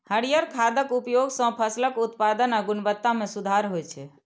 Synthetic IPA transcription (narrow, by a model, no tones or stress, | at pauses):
həɽijəɾkʰad̪əkupjoɡsə̃pʰəsləkut̪pad̪ənəɡunbət̪ːamẽsud̪ʱaɾɦojt͡ʃʰɛ